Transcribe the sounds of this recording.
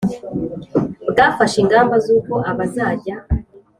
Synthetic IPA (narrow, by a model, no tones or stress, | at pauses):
udaːfaʃiŋɡaːmbazuːko̞ʔaβazaːɟa